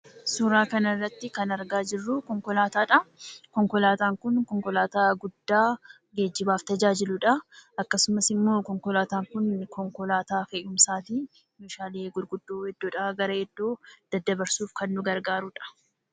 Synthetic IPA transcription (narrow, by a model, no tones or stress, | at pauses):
suːɾaːkɐnɐrːɐt̪ːɪkɐnɐɾɡaːd͡ʒɪrːʊkɔŋkɔlaːt̪aːᶑɐkɔŋkɔlaːt̪aːŋkʊnkɔŋkɔlaːt̪aːɡʊd̪ːaː | ɡeːd͡ʒːɪbaːft̪ɐd͡ʒaːd͡ʒɪlʊᶑɐʔɐkːɐsʊmɐsɪmːo̞ːkɔŋkɔlaːt̪aːŋkʊnkɔŋkɔlaːt̪aːfeʔʊmsaːt̪iː | juːʃaːleːɡʊɾɡʊd̪ːoːhɛd̪ːɔᶑɐːɡɐɾɐhɛd̪ːoːd̪̥ɐd̪ːɐbɐɾsuːfkɐnːʊɡɐɾɡaːɾʊᶑɐ̥